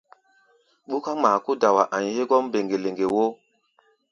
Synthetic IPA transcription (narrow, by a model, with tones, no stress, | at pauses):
ɓu˦ka˦maː˨ku˦da˨wa˨ʔa˨ɲhe˦ɡɔ˦mbe˨ŋɡe˨le˨ŋɡe˨wo˦